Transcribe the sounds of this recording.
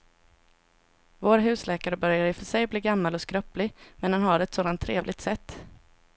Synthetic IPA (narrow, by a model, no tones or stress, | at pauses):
voːɾɦʉ̟ːslɛːkaɾəbœɾjaɾɪfœʂɛjbliːɡamːalɔskɾœplɪmɛndanɦaɖɛt̪soːd̪ant̪ʰːɾeːvlɪɡ̚t̪sɛt̪ː